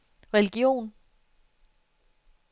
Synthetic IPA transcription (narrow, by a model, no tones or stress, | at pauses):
ʁɛliɡ̥jo̝̰ːn